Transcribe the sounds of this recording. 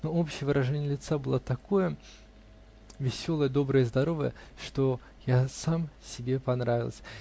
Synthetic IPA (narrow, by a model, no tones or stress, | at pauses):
noopɕɪjəvɨɾʔɐʐɛnʲɪjəlʲɪt̪sabɨlˠat̪ɐkojə | vʲɪsʲolˠəjəd̪o̞bɾəjəzd̪ɐɾovəjə̰ʂt̪o | jasamsʲɪbʲepɐnɾavʲɪlˠsʲ